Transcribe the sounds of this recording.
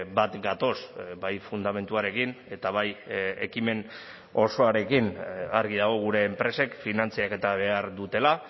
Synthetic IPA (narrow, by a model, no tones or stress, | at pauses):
bat̪ɡat̪o̞sbajfund̪ame̞nt̪uaɾe̞kine̞t̪aβaje̞̰kime̞n | o̞so̞aɾe̞kinaɾɣiðaɣ̞o̞ɣ̞uɾe̞ːmpɾe̞se̞kfinant͡siake̞t̪aβ̞e̞aɾðut̪e̞la